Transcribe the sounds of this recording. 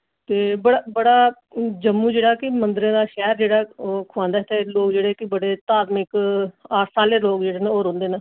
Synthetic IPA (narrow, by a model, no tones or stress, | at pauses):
t̪eːbəɽaːbəɽaː | d͡ʒəmːũːd͡ʒeːɽaːkɪmənd̪əɾẽːd̪aːʃɛːɾd͡ʒeːɽaːokʰʊãːnd̪aːt̪eloːkd͡ʒeːɽeːkɪbəɽeːt̪aːt̪mɪkaːʈsaːleːloːkd͡ʒeːɽeːnẽoːɾõːnd̪eːnãː